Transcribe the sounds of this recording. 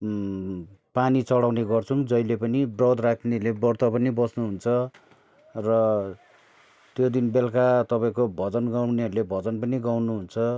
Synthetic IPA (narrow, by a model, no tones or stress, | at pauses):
panit͡sʌɽawneɡʌrt͡sʰuŋd͡zʌjlepʌnibrʌd̪rakʰnelebʌrt̪ʌpʌnibʌsnuɦunt͡sʰʌ | rʌ | t̪jod̪inbelkat̪ʌpãĩkobʱʌd͡zʌnɡawneɦʌɾulebʱʌd͡zʌnpʌniɡawnuɦunt͡sʰʌ